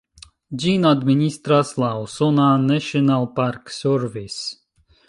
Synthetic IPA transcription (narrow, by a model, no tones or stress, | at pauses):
d͡ʒinad̪minʲist̪ɾaslˠawsɔnaːnɛʃɔnalˠpaɾksʲøɾvis